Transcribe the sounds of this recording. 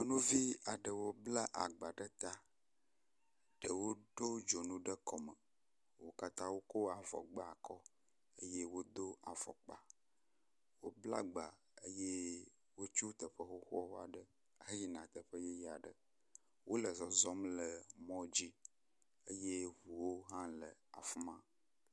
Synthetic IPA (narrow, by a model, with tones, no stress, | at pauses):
nũ˦vi˦a˨ɖə˨wo˦bla˦ʔa̰˨ɡ͡ba˨ɖə˦t̪a˦ | ɖə˨wo˦ɖo˦d͡ʒo˨nũ˦ɖə˦kʰɔ˨mə˨ | wo˦ka˦t̪ã˦wo˦ko˦a˨vɔ̰˨ɡ͡ba˦a˨kɔ˦ | ə˦je˦wo˦d̪o˦a˨v̥ɔ̰˨k͡pa˨ | wo˦bla̰˦ɡ͡ba˨ | ə˦je˦ | wo˦t͡ʃu˦t̪ə˨ɸə˦xo˦xɔ˦wo˦a̰˨ɖə˨˦ | ɦə˦ji˦nã˨t̪ə˨ɸə˦je˦ja˨ɖə̰˨ | wʔo˦lə˨zɔ˨zɔ˦mlə˨mɔ̃˦d͡ʑi˦ | ə˦je˦ɦu˨wo˦ɦã˦lə˨a̰˨fu˦mã˦